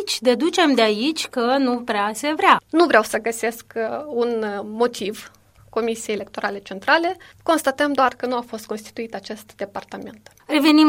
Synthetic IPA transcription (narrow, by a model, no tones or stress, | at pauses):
t͡ʃʲd̪e̞d̪ut͡ʃe̞md̪eait͡ʃʲkənupɾease̞vɾeanuvɾeawsəɡəse̞skunmo̞t̪iv | ko̞misijejelek̚t̪o̞ɾʔale̞t͡ʃe̞nt̪ɾale̞ | ko̞nst̪at̪əmd̪oarkənuafo̞st̪ko̞nst̪i̥t̪uit̪at͡ʃe̞st̪d̪e̞part̪ame̞nt̪ | re̞ve̞nim